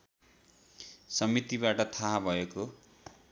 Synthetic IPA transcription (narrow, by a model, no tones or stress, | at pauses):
sʌmit̪ibaʈʌt̪ʰaɦabʱʌeko